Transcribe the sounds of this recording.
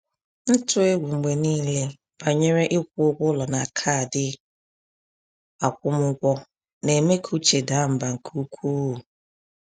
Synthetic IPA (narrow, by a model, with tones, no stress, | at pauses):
n̩˦tʊ˦e˦ɡʷu˨ŋ͡m̩˨ɡ͡be˨niː˦le˦ | b̥a˨ɲe˦ɾe˦ʔɪ˦kʷʊ˦ʊ˦ɡʷʊ˦lɔ˨na˨kʰa˦˨dɪ˦ | a˨kʷʊ˦mʊ˦kʷɔ˦ | ne˨me˦kʰu˦t͡ʃe˨da˨˦m̩˨ba˨ŋ̩˨kʰu˦kʷu˦˨